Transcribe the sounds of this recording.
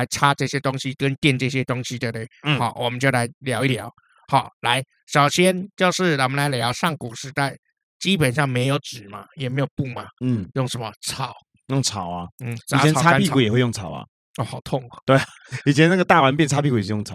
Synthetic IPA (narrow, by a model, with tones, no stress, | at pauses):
a˧˥ɪʈ͡ʂʰa˥ʈ͡ʂɤ˥˩ɕjɛ˦˥t̪ʊ˥ŋɕi˦kə˦nt̪jɛ˥˧nʈ͡ʂɤ˥˩ɕ̬jɛ˥t̪ʊ˥ŋɕi˧t̪we˥p̚t̪e˥˩ɪ˥˩xa˨˧˦ʊwʔɔ˨˩mə˦nt͡ɕjo˥˩ʊla˧˥ɪljɑ˧˥ʊi˥t̪jɑ̰˨˦ʊ | xa˨˧˦ʊla˧˥ɪ | ɕɑ˨˩ʊɕjɛ˥nt͡ɕjo˥˧ʊʂɻ̩˥˩ɔ˨˩mə˦nla˧˦ɪljɑ˧˦ʊʂɑ˥˩ŋku˨˩ʂɻ̩˧˥t̪a˥˩ɪ | t͡ɕi˦˥pə˨˩nʂɑ˥˩ŋme˧˥ɪjo˧˥ʊʈ͡ʂɻ̩˨˩ma̰˨˦jɛ˨˩me˧˥ɪjo˨˩ʊpu˥˩ma˨n̩˥˩jʊ˥˩ŋʂə˧˥nmə˧t͡sʰɑ˨˩˦ʊ | jʊ˥˩ŋt͡sʰɑ˨˦ʊa˦n̩ʰ˥˩˨ɛ˧˦˨a˥npi˥kʰku˨˩jxwe˥˧ɪjʊ˥˨ŋt͡sʰɑ˨˩ʊɐ̰˦ | ɔ˥˧˩xɑ˨˩˦ʊt̪ʰʊ˥˩ŋɐ˨˩t̪we˥˩ɪa˨ | i˨˩t͡ɕʰjɛ˦na˥˩ɡə˩t̪a˥˩wa˧˦npjɛ˥˨nʰa˥pi˥ku˨˩˨jʊ˥˩ŋt͡sʰɑ˨˦